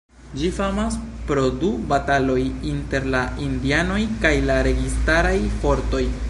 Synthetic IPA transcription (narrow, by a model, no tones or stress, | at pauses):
d͡ʒifamaspɾo̞dubatalo̞jinte̞ɾlaindiano̞jkajlaɾe̞ɡistaɾajfo̞ɾto̞j